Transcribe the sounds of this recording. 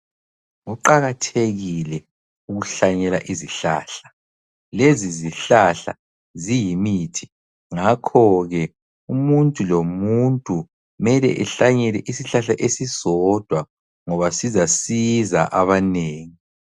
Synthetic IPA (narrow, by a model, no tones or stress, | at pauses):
ŋuǃaɣatʰeɣilɛ | uɣuɬaɲɛla̰ʔiziɬa̰ːɬḁ | leziziɬaɬa̰ | zijimiːtʰi̥ | ŋakʰɔɣɛ | umuntʼulomuntʼu | mɛlɛ̰ʔɛɬaɲɛlɛʔisiɬaɬaʔesizɔd̥ʱwa | ŋɔβasizasiza̰ʔaβaneːŋi